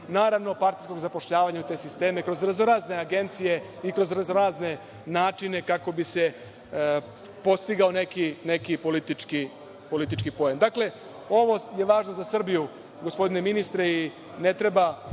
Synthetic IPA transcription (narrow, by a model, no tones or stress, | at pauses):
naːɾaʋno̞paɾt̪isko̞ɡzapo̞ʃʎaːʋaɲaut̪e̞ːsist̪e̞ːmekɾo̞zɾaznoɾaːzne̞aɡe̞nt̪sije̞ikɾo̞zɾaznoɾaːzne̞ | naːt͡ʃine̞kako̞bise̞ | po̞st̪iɡao̞ne̞kine̞kipo̞lit̪it͡ʃki | po̞lit̪it͡ʃkipo̞jemd̪akle̞ | o̞ʋo̞je̞ʋaːʒno̞zasr̩biju | ɡo̞spo̞d̪ine̞minist̪ɾei | ne̞t̪ɾe̞ba